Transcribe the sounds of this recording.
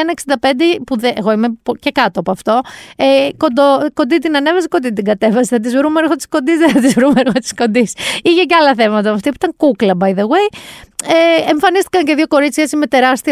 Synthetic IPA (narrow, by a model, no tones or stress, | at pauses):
nɐeksind̪ɐpe̞nd̪epuðeʔeɣo̞imepoce̞kɐt̪oɐpoɐft̪o̞ekod̪oko̞nd̪it̪̬inɐne̞vɐs̬iko̞nd̪it̪iɡɐt̪e̞vɐsiθɐt̪̬izvɾumeɾxo̞t̪i̥sko̞nd̪izðeθɐt̪izvɾumeɾxot̪i̥sko̞nd̪isiʝeceɐlɐθevmɐot̪ɐmɐft̪ipuit̪ɐŋkuklɐbɐjðewe̞jeeɱfɐnist̪ikɐɲceðʝoko̞ɾit͡sçɐesimet̪e̞ɾɐst̪i